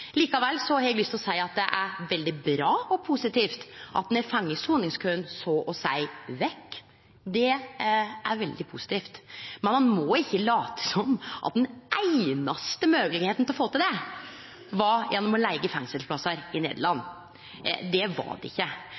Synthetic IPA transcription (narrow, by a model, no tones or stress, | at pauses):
liːkɑʋɛlːsɔɑɑɾɛɡlʏst̪lɔsæɪɑt̪̚d̪ɛʔæɾʋɛld̪ɪbɾɑːɔpʰusɪt̪ʰiːft̪ʔɑ̰t̪nɛfɑŋːəsuːnɪŋskʰønsoːʔɔsæɪʋɛkː | d̪ɛ | æɾʋɛld̪ɪpʰusɪ̥t̪ʰiːft̪mɛnmɑnmɔɪçːəlɑːt̪ə̥sɔmːʔɑ̰t̪̚d̪ɛnʔæɪnɑst̪əmøːɡəlɪɡheːt̪n̩t̪lɔfoːt̪ɪld̪ɛ | ʋɑɾjʔɛnːɔmɔlæɪɡəfɛŋsəlplɑsəɾɪnḛːd̪əɭɑnː | d̪ɛʋɑ̰ɖɛ̰ɪ̰çːə